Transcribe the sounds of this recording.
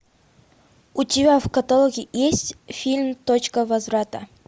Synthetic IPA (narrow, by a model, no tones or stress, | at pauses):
ʊtʲɪbʲavkɐt̪ɐlˠoɡʲɪjesʲtʲfʲilʲmt̪ot͡ɕkəvɐzvɾat̪ə